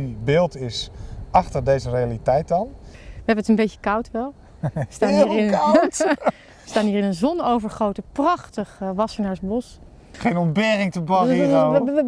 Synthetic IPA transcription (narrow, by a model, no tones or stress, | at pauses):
ibɪːlˠtɪsɑχtəɹdejzərejalitɛjt̚dɑnʋəɦɛbənətənbejtə̥kawtʋɛlˠ | əstaːnɦiːrɪt | əstaːnɦiːrɪnənzɔnowvəɹχowtəprɑχtəχʋɑsəɹnaːɹəbɔs | χejnɔnbɪːrɪŋtəbɑio